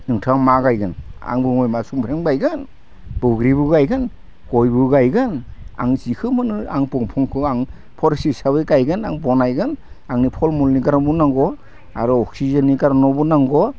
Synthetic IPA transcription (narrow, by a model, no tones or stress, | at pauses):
nɯŋtʰɯaŋmaɡajɡɯna̰ŋbɯŋɔjmasumpʰɾemɡajɡɯn | b̥ɯɡɾibɯɡajɡɯn | ɡ̥ɔjbɯɡajɡɯna̰ŋzikʰɯmɯnɯa̰ŋpɔŋpʰɔŋkʰɯaŋ | pʰɔɾsisabɯjɡajɡɯnaŋbɔnajɡɯn | aŋnipʰɔlmulniɡaɾabunaŋɡɔ | a̰ɾɔɔksizanːiɡaɾanɔbunaŋɡɔ